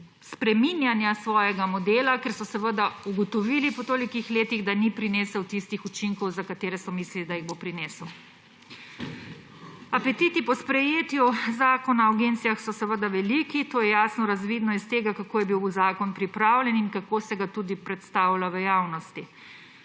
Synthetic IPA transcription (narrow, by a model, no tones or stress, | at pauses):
spɾɛminjanjasʋɔːjɛɡamɔd̪eːlakɛɾsɔsɛʋəd̪auɡɔt̪ɔʋiːlipɔt̪oːlikixleːt̪iɣd̪anipɾineːsəwt̪ist̪ixut͡ʃiŋkɔwzakat̪eːɾɛsɔmislilid̪ajiɣbopɾineːsəw | apɛt̪it̪ipɔspɾɛjeːt̪juzaːkɔnaaɡent̪sijaxsɔsɛʋəd̪aʋɛlikit̪oːjɛjaːsnɔɾazʋiːd̪nɔist̪eːɡakakoːjɛbiwuzaːkɔnpɾipɾaːwlʲɛninkakoːsɛɡat̪ud̪ipɾɛt̪st̪aːwlaʋəjaːwnɔst̪i